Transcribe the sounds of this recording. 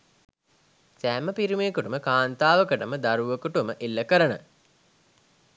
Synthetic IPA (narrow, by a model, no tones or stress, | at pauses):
sæːməpiɾimeːkuʈuməkaːnt̪aːʋəkəʈəməd̪aɾuʋəkuʈuməʔilːəkəɾənə̰